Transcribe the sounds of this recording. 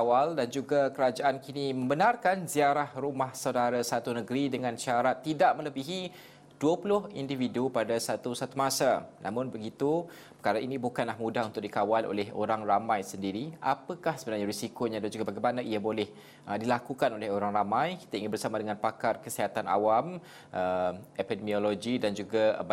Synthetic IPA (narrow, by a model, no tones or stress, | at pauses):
awaldand͡ʒuɡakəɾad͡ʒaʔankinimə̃mbənarkanziaɾahrumahsawdaɾasat̪unəɡɾidəŋãnʃaɾat̪ːidaʔmə̃ləbiɦi | d̥uəpulʊɦindividupadasat̪usat̪umasanʔa̰mʊnbəɡit̪u | pəkaɾainĩbukanlahmũdahunt̪ʊk̚dikawalʔo̰lɛɦo̰ɾaŋramãjsəndiɾia̰pəkahsəbənarɲaɾisikoɲadand͡ʒuɡabaɡajmanaʔiabolɛh | ʔədilakukanolɪhoɾaŋɾamãjki̥t̪aiŋɪnbərsamadəŋãnpakat̪̚kəsiɦat̪ana̰wam | ʔəepidəmioloɡidand͡ʒuɡab